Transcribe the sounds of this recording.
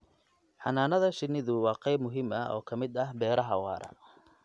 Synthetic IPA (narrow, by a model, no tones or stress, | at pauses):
ħɑnaːnɐðɐʃɪnɪðʊwɑːqɑjbmʊɦɪmɐɔ̰ːkʰɐmɪd̪ɐɦbɛːɾɐɦɐwɑ̰ːɾɐ̰n